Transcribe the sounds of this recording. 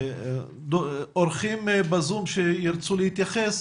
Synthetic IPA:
d̪ooɾχimbazumʃejiɾt͡sulehit̪jaχes

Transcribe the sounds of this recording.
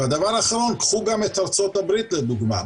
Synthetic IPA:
ad̪avaɾaχaɾɔnkχuɡamɛt̪ʰaɾt͡sɔt̪abɾit̪lɛd̪uɡma̰

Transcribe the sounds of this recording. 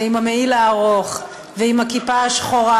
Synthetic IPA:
imameilaːʁoχ | veimhakipaaʃχoʁa

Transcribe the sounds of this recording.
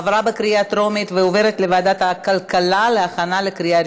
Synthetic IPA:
vɾabekɾiat̪ɾo̞mit̪veove̞ɾet̪levaːd̪at̪hakalkalaleaχanalekɾija

